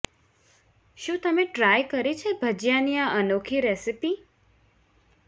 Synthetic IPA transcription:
ʃũt̪əmeʈɾajkəɾit͡ʃʰebʱəd͡ʒjanijaʔənokʰiɾesipi

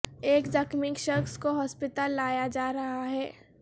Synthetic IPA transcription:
eːkzɐkmɪkʃɐkskoɦɔːspɪt̪alːaːjad͡ʒaːɾɐɦaɦɛː

